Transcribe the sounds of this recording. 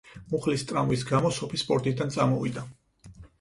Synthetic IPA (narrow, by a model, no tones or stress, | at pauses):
muχlist̪ʼɾamvis̬ɡamɔsɔpʰispʼɔɾt̪ʼid̪ant̪sʼamɔvḭd̪a